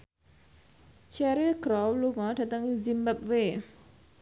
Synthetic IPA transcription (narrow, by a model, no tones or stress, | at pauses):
t͡ʃɛɾiɡɾɔwluŋɔɖat̪əŋizimbap̚we